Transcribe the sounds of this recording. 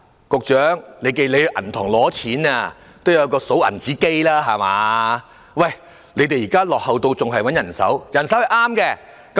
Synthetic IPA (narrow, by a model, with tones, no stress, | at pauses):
kʊ˨˧k̚t͡ʃœː˨˥ŋle˨˧jke˧le˨˧jʔɐ̰˨˩nt̪ʰɔː˨˩ŋlɔː˨˥t͡sʰiː˨˥naː˧ | t̪o˥wjɐ˨˧wkɔː˧so˨˥wɐ̰˨˩nt͡siː˨˥ke˥jlaː˥ɦaː˨ma̰ː˨˧ | wɐ˨˩j | le˨˧jt̪e˨jiː˨˩kaː˥lɔː˨k̚hɐ˨wt̪o˧wt͡sʊ˨ŋɦɐ˨jwɐ˨˥njɐ˨˩nsɐ̰˨˥wjɐ˨˩nsɐ˨˥whɐ˨jʔaː˥mkɛː˧ | kɐ˦